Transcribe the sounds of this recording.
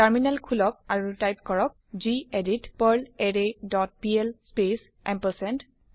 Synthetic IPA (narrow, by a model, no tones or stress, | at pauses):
taɹminalkʰulɔk̚aɹutajp̚kɔɹɔk̚zieditpəɹleɹedɔt̚piɛlspes | ɛmpəsɛnt